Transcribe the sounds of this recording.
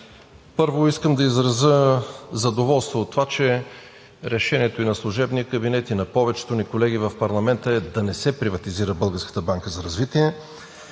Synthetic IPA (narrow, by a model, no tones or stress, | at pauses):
pɤɾvoiskəmd̪ɐizɾɐzəzɐd̪ovɔlˠst̪voːt̪ːovat͡ʃɛ | ɾɛʃɛniɛt̪oinɐslˠʊʒɛbniəkəbinɛt̪inɐpɔvɛt͡ʃɛ̥t̪onikolɛɡ̟ivɐfpɐɾlˠɐmɛnt̪əɛd̪ɐnɛsɛpɾivɐt̪iziɾəbɤlˠɡəɾskə̥t̪əbaŋkəzɐɾɐzvit̪iɛ